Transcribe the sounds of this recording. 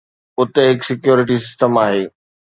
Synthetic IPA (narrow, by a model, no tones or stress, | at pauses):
ʊt̪eɦɪksɪkjoːɾɪʈ̬isɪsʈəmaːɦeː